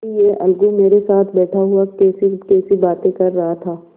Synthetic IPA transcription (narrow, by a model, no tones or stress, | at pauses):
ijeʔɐlɡumeːɾesaːt̪ʰbɛːʈʰaɦuakɛːsikɛːsibaːt̪ẽkɐɾːɐɦat̪ʰaː